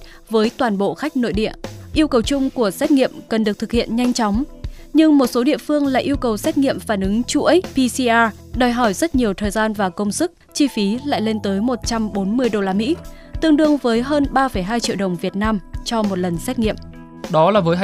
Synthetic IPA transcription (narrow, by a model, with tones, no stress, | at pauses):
vəː˨˦jt̪waː˨˩nɓo̰˧˨xa˦˥k̟̚no̰˧˨jɗḭ˧˨əʔi˧əwkə˨˩wt͡ɕʊ˧ŋ͡mku˧˩əsɛ˦˥t̚ŋḭ˧˨əmkə˨˩nɗɨ˨˩ət̪ɨ˨˩k̚hʰḭ˧˨ənɲa˧jŋ̟t͡ɕɔ˨˦wŋ͡mɲɨ˧ŋmo˨˩t̚so˨˦ɗḭ˧˨əfɨ˧əŋlaː˧˨ʔi˧əwkə˨˩wsɛ˦˥t̚ŋḭ˧˨əmfaː˧˩nʔɨ˨˦ŋt͡ɕu˧˥ʔə˦˥jpi˧si˧ʔaː˧ | ɗəː˨˩jɦɔ˧˩jzə˦˥t̚ɲi˨˩əwt̪ʰəː˨˩jzaː˧nvaː˨˩kə˧wŋ͡msɨ˦˥k̚t͡ɕi˧fi˨˦la̰ː˧˨jle˧nt̪əː˨˦jmo˨˩t̚t͡ɕa˧mɓo˨˦nmɨ˧əjɗo˧laː˧mḭ˧˥ | t̪ɨ̰˧əŋɗɨ˧əŋvəː˨˦jɦəː˧nɓaː˧fə˧˩jɦaː˧jt͡ɕḭ˧˨wɗə˨˩wŋ͡mvi˨˩ət̚naː˧mt͡ɕɔ˧mo˨˩t̚lə˨˩nsɛ˦˥t̚ŋḭ˧˨əm | ɗɔ˨˦laː˨˩vəː˨˦j